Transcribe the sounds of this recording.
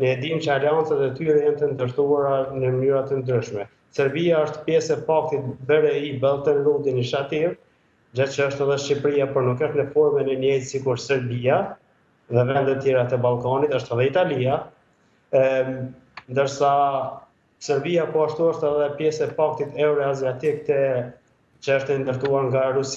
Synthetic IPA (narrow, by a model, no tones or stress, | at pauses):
nəɛd̪imt͡ɕəaliant͡sat̪ɛt̪yɾɛjant̪ənd̪əɾt̪uaɾanəmənyɾat̪ənd̪ɾyʃmɛ | sɛɾbiaəʃt̪pjɛsɛpak̚t̪it̪̚bəɾɛibɛlˠt̪ənɾud̪iniʃat̪iv | d͡ʑat̪̚t͡ʃəəʃt̪ɛðɛʃipɾiapɔɾnukəʃt̪nəfɔɾmɛnɛnjɛjsikuɾsɛɾbia | ðɛvɛnd̪ɛt̪ːjɛɾat̪ɛbalˠkanit̪əʃt̪ɛðɛit̪alia | nd̪əɾsa | sɛɾbiapɔaʃt̪uəʃt̪ɛðɛpjɛsɛpak̚t̪it̪ɛuɾɔaziat̪ik̚t̪ɛ | t͡ʃəəʃt̪ɛnd̪əɾt̪uaɾŋɡaɾusi